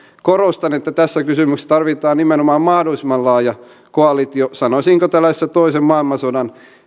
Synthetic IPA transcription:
korost̪ɑnet̪ːæt̪æsːækysymykst̪ɑrʋit̪ɑːnnimenomɑːmmɑhdolismɑllɑːjɑ | koɑlit̪iosɑnosiŋkot̪ælːæstːæt̪oisemmɑilmɑsodɑn

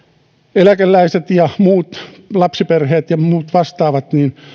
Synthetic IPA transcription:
elækælːæiset̪jɑmuːt̪ | lɑpsiperheːt̪jɑmuːt̪ʋɑst̪ɑːʋɑt̪niːn

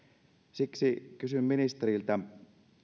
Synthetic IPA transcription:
siksikysymminist̪eɾilt̪æ

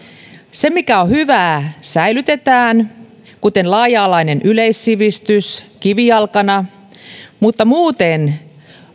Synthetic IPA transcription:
semikæohyʋæːsæilyt̪et̪æːn | kut̪enlɑːjɑːlɑinenʔyleisːiʋist̪yskiʋiɑlkɑnɑ | mut̪ːɑmuːt̪en

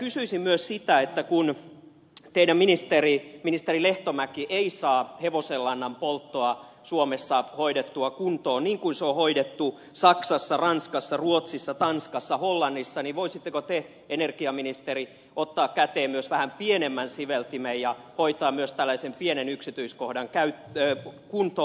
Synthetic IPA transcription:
kysyisimmyøssit̪æet̪ːækun | t̪eiɾæmminist̪eriminist̪erileht̪omækiʔeisɑːheʋoselːɑnːɑmpolt̪ːoɑ | suomesːɑhoidet̪ːuɑkunt̪oːnniːŋkunseohoidet̪ːu | sɑksɑsːɑrɑnskɑsːɑruot̪sisːɑt̪ɑnskɑsːɑholːɑnːisːɑniʋoisit̪ːekot̪e | enerɡ̥iɑminist̪eɾi | ʔot̪ːɑːkkæt̪eːmmyøsʋæhæmpienemːænsiʋelt̪imejjɑhoit̪ɑːmyøst̪ælːæisempienenyksit̪yiskohdɑŋkæytːkunt̪o

